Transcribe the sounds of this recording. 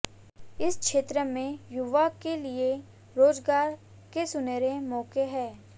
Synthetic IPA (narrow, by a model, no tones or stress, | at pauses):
ɪskʃeːt̪ɾəmẽjʊʋakelie | ɾoːd͡ʒɡaːɾ | kesʊneːɾemɔːkeɦɛː